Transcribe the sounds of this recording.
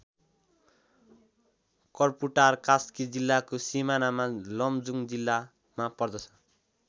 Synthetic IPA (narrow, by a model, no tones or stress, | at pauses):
kʌrpuʈarkaskid͡zilːakosimanamalʌmd͡zuŋd͡zilːa | mapʌrd̪ʌt͡sʰʌ̥